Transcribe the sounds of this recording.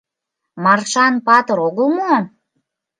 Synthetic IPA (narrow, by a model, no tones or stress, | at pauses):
mɑrʃɑnpɑt̪ə̆ɾoɣəlˠmo